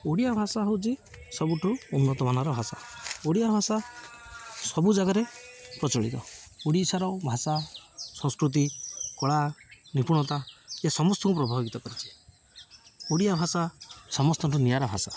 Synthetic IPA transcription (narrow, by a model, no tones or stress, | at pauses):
oɽijabʱasaɦowt͡ʃʰi | sɔbuʈʰuunːɔt̪ɔmanaɾɔbʱasaoɽijabʱasa | sɔbud͡ʒaɡaɾepɾɔt͡ʃɔɭḭt̪ɔoɽisaɾɔwbʱasasɔŋ̃skɾut̪̬ikɔɭanipuɽ̃ɔt̪aesɔmɔst̪ɔkupɾɔbʱaɡit̪ɔkɔɾit͡ʃʰi̥ | oɽijabʱasasɔmɔst̪ɔʈʰunijaɾɔbʱasa